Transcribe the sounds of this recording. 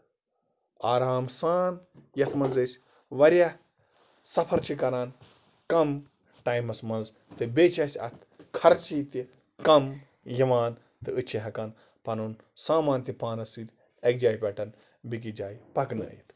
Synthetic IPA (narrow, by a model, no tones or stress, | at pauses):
aːɾaːmsaːnjɐt̪ʰmɐnzɐsʲ | ʋɐɾʲja | sɐpʰɐɾt͡ʃʰikɐɾaːn | kɐm | ʈaːjmɐsmɐnz | t̪ɨbeːt͡ʃɐsʲɐ̰t̪ʰ | kʰɐɾt͡ʃit̪i | kɐm | jiʋaːn | t̪ɨɨt͡ʃʰiɦɐkɐn | pɐnun | saːmaːnt̪ipaːnɐsɨːt̪ʲ | ɐk̚d͡ʒaːjpʲɛʈɐn | bik̬id͡ʒaːjpɐknɨ̰ḭt̪